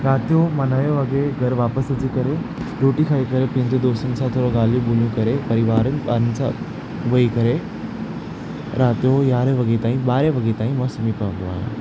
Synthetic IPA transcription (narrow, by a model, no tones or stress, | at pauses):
ɾaːt̪ijomɐnɐʋjoʋɐɡeɡʱɐɾʋaːpəsɐt͡ɕikɐɾe | ɾoːʈikʰaːikɐɾepɐ̃ːɲd͡ʑed̪oːst̪ənɪ̆sãt̪ʰoːɾoɡaːl̤ijũboːl̤ijũkɐɾepɐɾɪʋaːɾənɪ̆baːɾənɪ̆sã̰ | ʋɐikɐɾe | ɾʔaːt̪ijojaːɾeʋɐɡet̪aːĩɓaːɾjeʋɐɡet̪aːĩmɔːsɐmipɐʋə̃n̆d̪oa̰ːɦḛ̃